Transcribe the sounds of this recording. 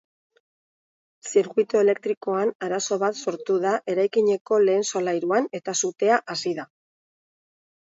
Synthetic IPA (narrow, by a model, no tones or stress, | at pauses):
siɾɣuit̪oe̞le̞k̚t̪ɾiko̞anaɾaso̞βat̪so̞ɾt̪uðaʔe̞ɾajkiɲe̞ko̞le̞ːnso̞lajɾuane̞t̪asut̪e̞aʔasiða